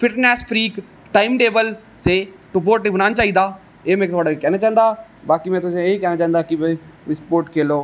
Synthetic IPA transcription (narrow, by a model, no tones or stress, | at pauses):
fɪʈneːsfɾiːk | ʈaːɪmɖeːʋəl | se | ʈʊp̬oːɾʈibʊnaːnt͡ʃaːɦĩd̪aː | emẽːkt̪ʰaːɽakɛːnet͡ʃãːənd̪aːbaːkimɛ̃ːt̪ʊsẽeikɛːnet͡ʃãːənd̪aːkibɪɪspoːɾʈkʰeːloː